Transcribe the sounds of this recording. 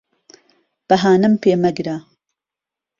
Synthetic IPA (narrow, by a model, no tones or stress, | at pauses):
b̥ɐɦaːnɨmpʰeːmɐɡɾa